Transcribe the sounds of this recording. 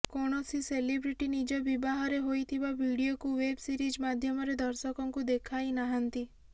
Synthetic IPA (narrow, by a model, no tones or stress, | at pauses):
kɔɽ̃ɔsiselibɾiʈinid͡ʒɔbibaɦaɾeɦojt̪ʰibaʋiɽijokuʋebsiɾid͡ʒmad̪ʱjɔmɔɾed̪ʱɔɾsɔkɔŋkud̪ekʰajnaɦant̪i